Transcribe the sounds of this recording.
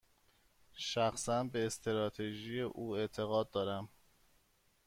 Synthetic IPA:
ʃæxsænbeːst̪ʰeɾɒːt̪ʰeʒije̞ʔuːe̞t̪ʰe̞ɣɒːd̪̚d̪ːɒːɾæm

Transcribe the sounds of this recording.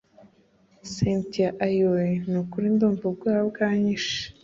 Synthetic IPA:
sentiaʔajojinukuɾindoːmbub̚ɡaːhabɡaːɲiʃe̥

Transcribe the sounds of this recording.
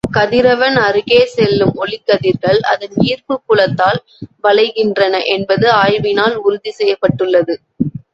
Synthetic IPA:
kɐðɪɾɐʋɐnɐɾɯɣeːsɛlːɯmɔɭɪkːɐðɪɾɣɐɭɐ̰ðɐniːrpɯkːʊɭɐt̪ːaːl | ʋɐɭɐɪɣɪndrɐnɐʔɛnbɐðɯaːjʋɪnaːlʊɾʊðisɛjːɐpːɐʈːɯɭːɐðɯ

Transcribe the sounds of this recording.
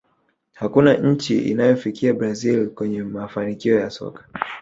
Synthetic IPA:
hakunaɲ̩t͡ʃiʔḭnajɔfikiabɾazilkwɛɲɛmafanikiɔjasɔ̰kḁ

